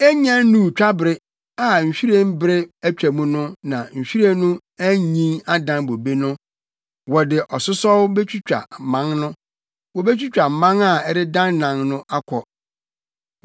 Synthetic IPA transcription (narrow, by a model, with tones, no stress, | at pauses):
ɛ˦ɲã˦nnũ˦˨t͡ɕᶣa˦bɾɪ˦ | a˨ɲ̩˨ɕᶣi˦ɾẽ˦m˦bɪ˦ɾɪ˦æ˦˨t͡ɕᶣæ˨mũ˦nʊ̃˦nã˨ɲ̩˨ɕᶣi˦ɾẽ˦nʊ̃˦ | æ˦ɲĩ˦ŋa˦dã˦nbo˨be˦nʊ̃˦ | wɔ˨dɪ˨ʔɔ˨sʊ˦sɔ˦wbɛ˦t͡ɕʰᶣu˦t͡ɕᶣa̰˨mã˦ŋnʊ̃˦ | wɔ˨bɛ˦t͡ɕᶣu˦t͡ɕᶣa˨mã˦ŋa˦˨ɛ˦ɾɪ˦dã˦nːã˨ŋnʊ̃˦ʔa˦kʰɔ˨